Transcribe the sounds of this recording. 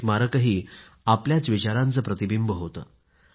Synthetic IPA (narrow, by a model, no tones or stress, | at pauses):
maɾəkəɦiː | apljat͡sʋit͡ɕaɾãnt͡səːpɾət̪ibimbəɦot̪ə